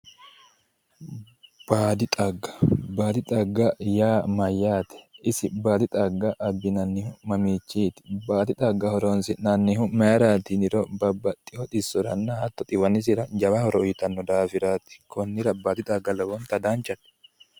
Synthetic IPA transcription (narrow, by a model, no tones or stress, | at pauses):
b̥aːd̪ɪt̪ʼɐɡɐ̥baːd̪ɪt̪ʼɐɡːɐjaːmɐjːaːt̪ɛ̥ɪsɪbaːd̪ɪt̪ʼɐɡːɐʔːbːɪnɐnːɪhʊmɐmiːt͡ʃːiːt̪ɪ̥baːd̪ɪt̪ʼɐɡːɐhɔɾɔnsɪnɐnːɪhʊmɛɐɾaːt̪iːnɪɾobɐbːɐt̪ʼːɪhɔt̪ʼɪsɔɾɐ̰nːahɐt̪ːɔt̪ʼɪwɐnːɪs̬ɪɾɐd͡ʒɐwahɔɾɔʊjɪt̪ɐnːɔd̪aːfɪɾaːt̪ɪ̥kʰɔnːɪɾɐbaːd̪ɪt̪ʼɐɡːɐlɔwɔnt̪ɐd̪aːnt͡ʃɐt̪